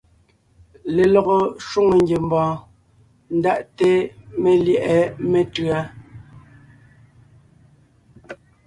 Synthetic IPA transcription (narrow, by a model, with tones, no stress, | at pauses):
le˨lɔ˨ɣo˨ʃu˦ŋo˨ŋɡe˨m˨bɔ̃ː˨ | n̩˦da˦˨ʔte˦me˨ljɛ˦˨ʔɛ˨˦me˦˨tɰa˦